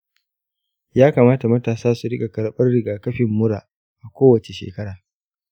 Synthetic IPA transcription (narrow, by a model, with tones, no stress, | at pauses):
jaː˦kaː˨maː˦ta˨mɐ˦taː˨saː˦su˨ɽɪ˦kʼa˨kɐ˨ɽɓɐ˦rɽɪ˨ɡaː˨kɐ˦ɸɪ˨mːʊ˦ɽaː˨ | ʔa˨kʷoː˦wɐ˨t͡ʃe˨ʃḛː˨kɐ˦ɽaː˨